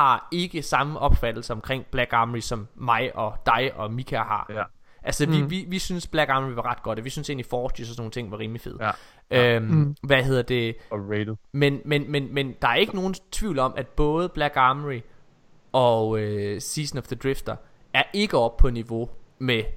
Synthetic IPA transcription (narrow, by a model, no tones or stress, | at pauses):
hɑ̈e̝ɡ̥əsɑ̈məʔɒ̽b̥fæd̥l̩səɒ̽mkʰʁeŋ̰b̥læɡ̥ɑ̈məʁisɒ̽mːɑ̈ɪʔɒ̽d̥ɑ̈ɪʔɒ̽mikʰæhɑ̰̈ | ʔælsəʋiʋiʋisynsb̥læɡ̥ɑ̈məʁiʋɑ̈ʁɑ̈d̥̚ɡ̥ɒ̽d̥ʋisynse̝̰ːnlifɒːdysɒsno̝ːn̩t͡sʰe̝ŋ̰ʋɑ̈ʁiːmlife̝ð̰ˠ | ʔøʋæɦe̝ð̰ˠɐd̥e̝ | menmenmenmend̥ɑ̈æɐe̝ɡ̥əno̝ːn̩t͡sʰʋiʊ̰lɒ̽mʔæd̥̚b̥ɔ̽ːð̞ˠəb̥læɡ̥ɑmʁi | ɒ̽øsiːsn̩ɒfð̥əd̥ʁifd̥ɐ | æɐʔe̝ɡ̥əɒ̽b̥pʰɒ̽niʋo̝me